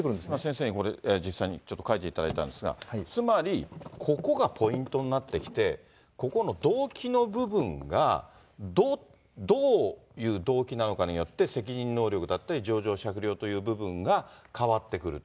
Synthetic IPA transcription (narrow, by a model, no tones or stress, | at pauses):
kɾɯ̃d̪emasẽ̞s̬e̞ːɲ̟iko̞ɾeed͡ʑisːaiɲ̟it͡ɕo̞t̪ːokait̪e̞it̪ad̪ait̪ã̰nd̪esɨɡa̰t͡sɨmaɾʲikʰo̞ko̞ɡapʰo̞ĩnt̪o̞nnat̪ːe̞kʲi̥t̪e̞ | ko̞ko̞no̞d̪o̞ːkʲino̞bɯ̟bɯ̟̃ŋɡa̰ | d̪o | d̪o̞ːjɯ̟ːd̪o̞ːkʲinano̞kaɲ̟ijo̞t̪ːe̞se̞kʲiɲ̟ĩnːo̞ːɾʲo̞kɯ̟d̪at̪ːaɾʲid͡ʑo̞ːʑo̞ːɕakɯ̟ɾʲjo̞ːt̪o̞jɯ̟ːbɯ̟bɯ̟̃ŋɡakaβat̪ːe̞kɯ̟ɾɯ̟t̪o